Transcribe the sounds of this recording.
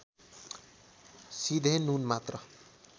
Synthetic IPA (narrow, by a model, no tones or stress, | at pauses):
sid̪ʱenunmat̪rʌ